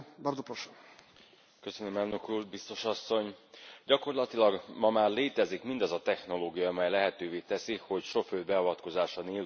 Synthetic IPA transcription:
bɒɾd̪opoʃo | kø̞sø̞nømɛːlnø̞kuːrbist̪o̞ʃɒsːo̞ɲɟɒko̞rlɒt̪ilɒɡmɒmaːrleːt̪ɛzikmind̪ɒzɒt̪ɛxn̪o̞loːɡijɒːmɛjlɛɦɛt̪øːveːt̪ɛsiho̞cʃo̞føːd̪bɛɒvɒt̪ko̞zaːʃɒneːl

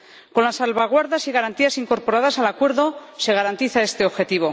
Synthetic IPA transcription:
ko̞nlasːalβaɣ̞waɾðasiɣaɾant̪iasiŋko̞ɾpo̞ɾaðasalakwe̞ɾðo̞se̞ɣaɾant̪iθae̞st̪e̞oβxe̞t̪iβ̞o̞

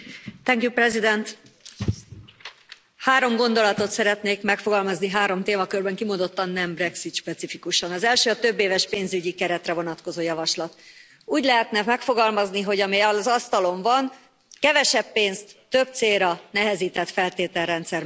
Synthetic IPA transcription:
t̪ɛŋkjuprɛzid̪ɛnt̪ | haːɾo̞mɡo̞nd̪o̞lɒt̪o̞t̪sɛɾɛt̪neːkmɛkfo̞ɡɒlmɒzniɦaːɾo̞mt̪eːmɒkørbɛŋkimond̪o̞t̪ːɒnnːɛmbrɛksit̪ʃpɛt̪sifikuʃɒnɒzɛlʃøːɒt̪øbːeːvɛʃpeːnzyɟikɛɾɛt̪rɛvo̞nɒt̪ko̞zoːjɒvɒʃlɒt̪ | uːɟlɛɦɛt̪nɛmɛkfo̞ɡɒlmɒzniɦo̞ɟɒmiɒzɒst̪ɒlo̞ɱvɒn | kɛvɛʃɛbːeːnst̪ːø̞b̚t̪seːɾɒnɛɦɛziːt̪ɛt̪fɛlt̪eːt̪ɛlːɛnt̪sɛr

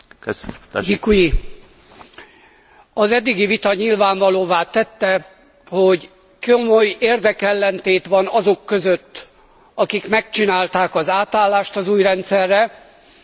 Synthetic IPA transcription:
jikuji | ɒzɛd̪ːiɡivit̪ɒɲilvaːɱvɒloːvaːt̪ɛt̪ːɛ | ho̞ɟ | komøjeːrd̪ɛkɛlːɛnt̪eːt̪ʋɒnɒzo̞kːøzøt̪ː | ɒkikmɛkt͡ʃinaːlt̪aːkɒzaːt̪aːlːaːʃt̪ɒzuːjrɛnt̪sɛrːɛ

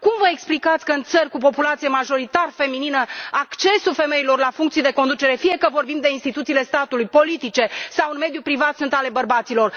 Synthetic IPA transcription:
kumvəeksplikat̪sʲkəɨnt̪sərʲkup̬o̞pulat̪sijemaʒo̞ɾit̪arfe̞mininəakt͡ʃe̞sufe̞me̞ilo̞rlafuŋkt̪sijd̪e̞ko̞nd̪ut͡ʃe̞ɾe̞fije̞kəvo̞rbimd̪e̞inst̪it̪ut̪sile̞st̪at̪ulujpo̞lit̪it͡ʃe̞sawɨnme̞d̪jupɾivat̪sunt̪ale̞bərbat̪silo̞r

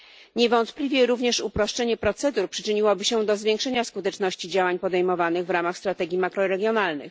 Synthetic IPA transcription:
ɲɛvɔnt̪plʲivʲjɛɾuvɲɛʂupɾɔʂt͡ʂɛɲɛpɾɔt̪sɛd̪uɾpʂɘ̥t͡ʂɘɲiwɔbɘɕɛd̪ɔzvʲjẽŋkʂɛɲaskut̪ɛt͡ʂnɔɕt͡ɕid͡ʑawaɲpɔd̪ɛjmɔvanɘɣvɾamaxst̪ɾat̪ɛɡʲimakɾɔɾɛɡʲjɔnalnɘ̰x

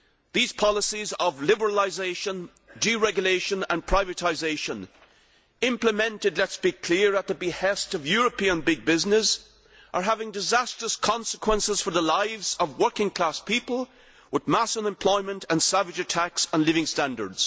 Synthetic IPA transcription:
ðiz̥pʰɑlˠəsizəvlɪbə˞əlˠaɪzeɪʃə̃n | diɹɛɡjʊleɪʃə̃nə̃npʰɹ̥aɪvɨtʰaɪzeɪʃə̃n | ɪ̃mpləmɛ̃ntɨdˡlɛtsb̥ikʰl̥iɹət̪̚ðəbɪhɛstʌvjɔɹəpʰiə̃nbɪɡ̚bɪznɪz | ʔə˞ɦavɪ̃ŋdɨzæstɹ̥əskʰɑ̃nsəkʰwə̃nsɪz̥fə˞ðəlaɪvzʌvwɜ˞kɪ̃ŋkʰl̥aspʰipəl̩ˠ | wɪðmasə̃lɨ̃mpʰl̥ɔɪ̃mə̃ntʰə̃nsævɨd͡ʒɨtʰæksə̃nlɪvɪ̃ŋstæ̃ndə̰˞dz̥

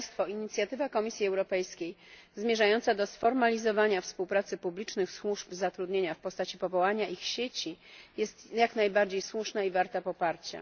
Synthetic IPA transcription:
st̪fɔiɲit̪sʲjat̪ɘvakɔmʲisʲjiɛwɾɔpɛjskʲejzmʲjeʐajɔnt̪sad̪ɔsfɔɾmalʲizɔvaɲafspuwpɾat̪sɘpublʲit͡ʂnɘxswuʐpzat̪ɾud̪ɲeɲafpɔst̪at͡ɕipɔvɔwaɲaʔixɕet͡ɕijɛst̪jaknajbaɾd͡ʑejswuʂnaivaɾt̪apɔpaɾt͡ɕa̰

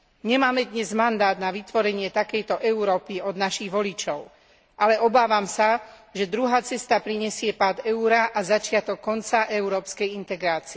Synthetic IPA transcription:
ɲɛmaːmɛd̪ɲɛzmand̪aːd̪naʋit̪ʋɔɾɛɲɪɛt̪akɛjt̪ɔʔɛuɾɔːpiɔd̪naʃiɣʋɔlit͡ʃɔʊ | ʔalɛʔɔbaːʋamsaʒɛd̪ɾuɦaːt͡sɛst̪apɾiɲɛsɪɛpaːd̪ɛuɾaʔazat͡ʃɪat̪ɔkːɔnt͡saʔɛuɾɔːpskɛjint̪ɛɡɾaːt͡siɛ

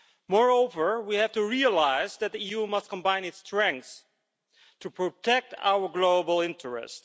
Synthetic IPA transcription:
mɔɹoʊvə˞wihæftuɹiəlaɪzðɨt̚ðiijumʌst̚kɔ̃mbãɪ̃nɨtstɹɛ̃ŋk̚s | tupɹotʰɛk̚ta̰wə˞ɡloʊbəl̩ˠɪ̃ntʰəɹɛ̰st

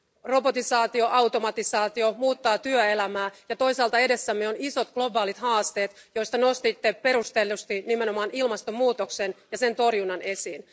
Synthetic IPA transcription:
ro̞bo̞t̪isɑːt̪io̞ʔɑwt̪o̞mɑt̪isɑːt̪io̞muːt̪ːɑːt̪yøe̞læmæːjɑt̪o̞jsɑːlt̪ɑe̞de̞sːæmːeoniso̞t̪ɡ̥lo̞bɑːlit̪hɑːst̪e̞ːt̪jo̞jst̪ɑno̞st̪it̪ːepe̞ɾust̪elust̪inimeno̞mɑːnilmɑst̪omːuːt̪oksenjɑse̞nt̪o̞rjunːɑne̞siːn

